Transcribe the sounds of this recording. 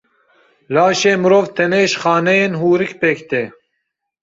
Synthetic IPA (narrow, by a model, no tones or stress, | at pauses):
laːʃeːmɨɾoːvt̪ʰɛneːʃxɑːnɛjeːnɦuːɾɨkpekt̪eː